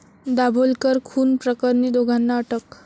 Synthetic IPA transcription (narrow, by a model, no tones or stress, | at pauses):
d̪abʱolkəɾkʰuːnpɾəkəɾniːd̪oɡʱanːaəʈək